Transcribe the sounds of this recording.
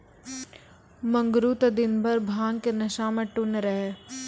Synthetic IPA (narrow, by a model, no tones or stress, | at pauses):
mɐ̃ŋɡɾuːt̪ɐd̪ɪnbʱɐɾbʱãːŋɡkenɐʃaːmeʈʊnɾɐɦe